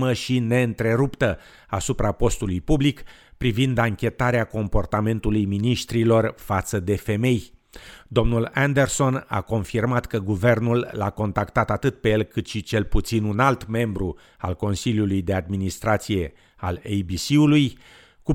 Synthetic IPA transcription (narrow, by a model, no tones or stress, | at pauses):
məʃine̞ɨnt̪ɾe̞ɾupt̪ə | asupɾʔapo̞st̪ulujpublikpɾivind̪aŋkʲe̞t̪aɾeako̞mpo̞rt̪ame̞nt̪ulujminiʃt̪ɾilo̞rfat̪səd̪e̞fe̞me̞jd̪o̞mnuland̪e̞rso̞na̰ko̞nfirmat̪kəɡuve̞rnulːa̰ko̞nt̪akt̪at̪at̪ɨt̪̚pe̞jelkɨt̪ʃit͡ʃe̞lput̪sinunalt̪me̞mbɾu | a̰lko̞nsiljulujd̪e̞ad̪minist̪ɾat̪sije̞ | a̰lejbisiuluj | ku